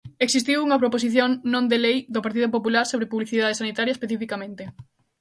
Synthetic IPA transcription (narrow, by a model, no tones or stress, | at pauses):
eksist̪iwuŋɐpɾopos̬iθjoŋnõnd̪elejd̪opaɾt̪iðop̬opulaɾsoβɾepuβliθiðað̞esanit̪aɾjɐespeθifikamẽnt̪e